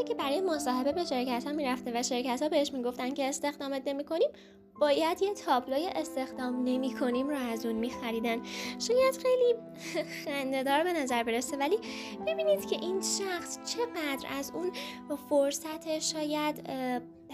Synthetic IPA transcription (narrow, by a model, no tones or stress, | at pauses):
icʰe̞bæɾɒːjemosɒːhebe̞be̞ʃe̞ɾcʰæt̪hɒːmiːɾæft̪e̞væʃe̞ɾcæt̪hɒːbe̞heʃmiːɡo̞ft̪ænd̪ce̞ːst̪e̞xd̪ɒːmet̪ne̞miːkʰo̞niːm | b̥ɒːjæd̪jet̪ʰɒːploːjeʔest̪e̞xd̪ɒːmne̞miːkʰo̞nimɾɒæzunmiːxæɾiːd̪ænʃɒːjæd̪̥xe̞jli | xænd̪e̞d̪ɒːɾbe̞næzæɾbe̞ɾesevæliːb̥ebiːniːd̪̥cʰe̞ʔiːnʃæxst͡ʃʰe̞ɣæd̪ɾæzuːn | foɾsæt̪ʰeʃɒːjæd̪